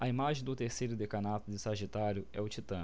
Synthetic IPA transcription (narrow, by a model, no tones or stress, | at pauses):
ɐimaʒẽj̃d̪ʊt̪eɾsejɾʊd̪ekanat̪ʊd͡ʒɪsaʒit̪aɾjʊɛ̰ʊt͡ʃit̪ɐ̃